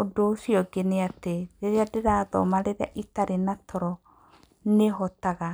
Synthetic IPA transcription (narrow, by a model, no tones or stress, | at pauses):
odosiɔɡeneateɾeɾeadeɾaðɔ̰maɾeɾea̰ʔitaɾenatʰɔɾɔ | neɦɔtaɣa